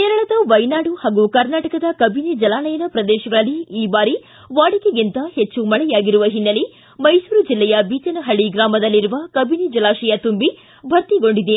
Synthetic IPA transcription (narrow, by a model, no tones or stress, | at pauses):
keːɾɐɭɐd̪ɐʋɐjnaːɽuhaːɡukɐɾnaːʈɐkɐd̪ɐkɐbʱined͡ʒɐlaːnɐjɐnɐpɾɐd̪ɛːʃɐɡɐɭɐlːiiːbaːɾi | ʋaːɽikeɡint̪ɐhet͡ʃːumɐɭɛjaːɡiɾuʋɐɦinːɐli | mɐjsuːɾud͡ʒilːɛjɐbiːt͡ʃɐnɐɦɐɭiɡɾaːmɐd̪ɐlːiɾuʋɐkɐbined͡ʒɐlaːʃɛjɐt̪umbi | bʱɐɾt̪iɡo̞ɳɖid̪e